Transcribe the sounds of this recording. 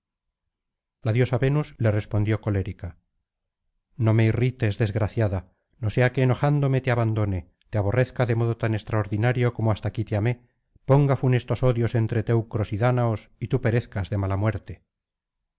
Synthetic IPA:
laðjo̞saβe̞nuzle̞re̞spo̞nd̪jo̞ko̞le̞ɾika | no̞me̞irit̪e̞zðe̞zɣɾaθjaða | no̞se̞ake̞ːno̞xand̪o̞me̞t̪eaβand̪o̞ne̞ | t̪eaβ̞o̞re̞θkaðe̞mo̞ðot̪ane̞st̪ɾaoɾðinaɾjo̞ko̞moast̪akit̪eame̞ | po̞ŋɡafune̞st̪o̞so̞ðjo̞se̞nt̪ɾe̞t̪e̞wkɾo̞siðanaosit̪upe̞ɾe̞θkazðe̞malamwe̞ɾt̪e

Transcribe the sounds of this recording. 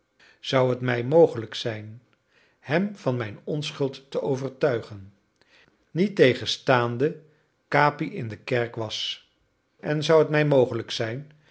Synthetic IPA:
z̥ʌwɦətmɛjmowχələksɛjn | hɛmv̥ɑnmɛjnɔnsχɵlˠtːəʔowvəɹtœɥχən | nitejχənstaːndə | kaːpiʔɪndəkɛɹkʋɑs | ʔɛnzʌwɦətmɛjmowχələksɛjn

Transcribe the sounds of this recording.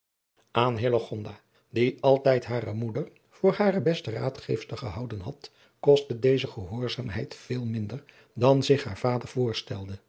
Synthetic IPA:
ʔaːnɦɪləχɔndaː | diɑlˠtɛjtɦaːrəmudəɹ | v̥ʊːɹhaːrəbɛstəraːtχḛjfstəχəɦɑwdənɦɑt | kɔstədejzəχəɦʊːɹzaːmɦɛjtfeːlˠmɪndəɹ | dɑnzɪχɦa̰ːɹv̥aːdəɹv̥ʊːɹstɛlˠdə

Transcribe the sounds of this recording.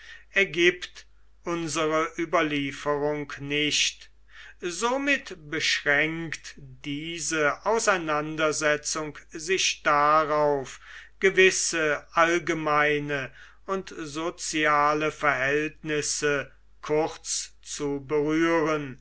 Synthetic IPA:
ɛɐɡiːpt | ʔʊnzəʁəʔyːbɐliːfəʁʊŋknɪʃt | zomɪtbəʃʁɛŋktd̥iːzəʔaʊsaɪnandɐzɛt͡sʊŋkzɪʃd̥aʁaʊfɡ̥əvɪsəʔalɡəmaɪnə | ʊntzot͡sjaːləfɛɐɦɛltnɪsə | kʰʊʁt͡s | t͡subəʁyːʁən

